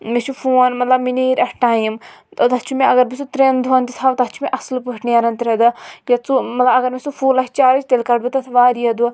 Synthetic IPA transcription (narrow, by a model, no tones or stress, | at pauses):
met͡ʃʰufuːɐnmɐt̪lɐbminiːɾʲɐʈaːjimt̪ɐt̪ɐt͡ʃʰumẽɐɡɐɾbisut̪ɾeːnd̪ʱuɐnt̪it̪ʰaːʋt̪ɐt͡ʃʰumeʔɐslpuʈnijaɾɐnt̪ɾɐd̪ɨjɐt͡sumɐt̪lɐbɐɡɐɾmesufuːlɐɦt͡ʃaːɾit͡ʃt̪elkɐɖbut̪ɐt̪ʰʋaːɾiɐd̪u